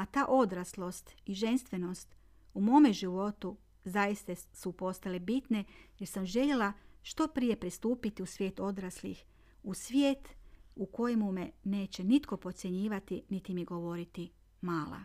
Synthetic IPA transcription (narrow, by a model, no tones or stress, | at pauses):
at̪aːʔo̞d̪ɾaslˠo̞st̪iʒe̞nst̪ʋe̞no̞st̪ | umo̞ːmeʒiʋo̞t̪u | zajist̪asupo̞st̪alebit̪ne̞je̞ɾsamʒe̞ʎe̞lˠaʃt̪o̞pɾije̞pɾist̪uːpit̪iusʋje̞ːt̪o̞d̪ɾaslḭx | usʋjeːt̪uko̞jemumene̞ːt͡ɕe̞nit̪ko̞po̞t̪sje̞ɲiːʋat̪init̪imiɡo̞ʋo̞ɾit̪i | maːlˠa̰